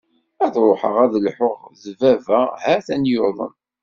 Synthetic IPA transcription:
æðɾˤoħə̰ʁæðlħoʁðvævæhæθænjʊɾðˤə̰n

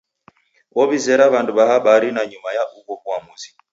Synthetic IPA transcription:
wɔβizɛɾaβanduβahaɓaɾinaɲumajaʔukɔkuamuzi̥

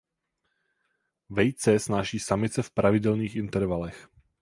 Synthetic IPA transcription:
vɛjt͡sɛsnaʒiːsamɪt̪t͡sɛfpɾʔavɪdɛlniːxɪnt̪ɛɾvalɛx

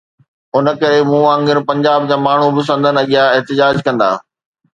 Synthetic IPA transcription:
ʊnə̆kɐɾemũːãːŋɡɪɾpɐ̃ɲd͡ʑaːb̚d͡ʑaːmaːɳ̤ubɪs̬ɐ̃nd̪ʱənɐɠijaɪɦt̪ɪd͡ʑaːd͡ʑkɐ̃nd̪a̰ː

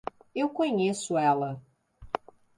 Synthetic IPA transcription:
ewkõɲesʊɛlɐ

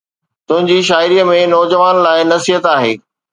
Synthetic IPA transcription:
t̪ʊ̃ɦɪ̃ɲd͡ʑiːʃaːɪɾijəmẽnɔːd͡ʑəʋaːnlaːɪnɐsiɦət̪aːɦḛː

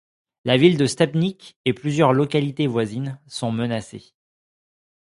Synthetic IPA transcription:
lavild̪əst̪apnikeplyzjœʁlɔkalit̪evwazinsɔ̃mənase

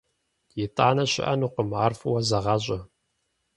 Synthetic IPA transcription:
jɪtʰʼaʕnɐɕɪ̰ʔɐ̰nuːqəmarfɨwɐzɐʁɑɕʼɐ

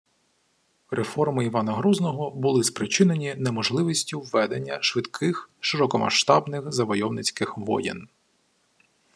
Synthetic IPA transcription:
refɔrmɪiʋɑnɐɦɾuznɔɦɔbʊlˠɪspɾɪt͡ʃɪnenʲinemɔʒlˠɪʋisʲtʲiwːɛd̪enʲːɐʃʋɪd̪kʰɪxʃɪɾɔkɔmɐ̰ʃt̪ɑbnɪxzɐʋɔjɔwnɪt͡sʲkɪxʋɔ̰jɪ̰n

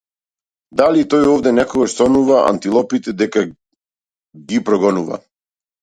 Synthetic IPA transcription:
d̪alit̪ɔjɔvd̪ɛnɛkɔɡaʃsɔnuvaa̰nt̪ilˠɔpit̪ɛd̪ɛka | ɡipɾɔɡɔnuva̰

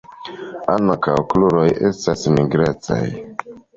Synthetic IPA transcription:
aŋkawkluɾojʔe̞̰stasmiɡɾet͡sa̰j

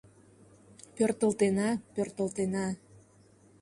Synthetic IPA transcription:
pørt̪əlt̪enɑpørt̪əlt̪enɑ

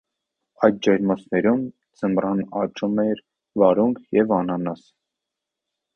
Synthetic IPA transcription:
ɑjt̪̚d͡ʒɑjɾmɔsnɛɾum | d͡zəmrɑnɑt͡ʃumɛɾ | vɑɾuŋkʰjɛvɑnɑnɑs

